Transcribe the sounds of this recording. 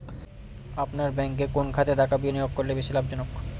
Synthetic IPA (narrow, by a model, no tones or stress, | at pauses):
apnaɾbɛŋk̬ekonkʰat̪ed̪akʰabioniokkoɾlebeʃilabd͡ʑɔnok